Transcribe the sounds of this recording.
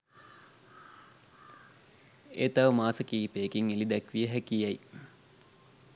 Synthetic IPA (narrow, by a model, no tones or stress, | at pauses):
ḛːt̪aʋəmaːsəkiːpeːkiŋelid̪ækʋijəɦækijɐj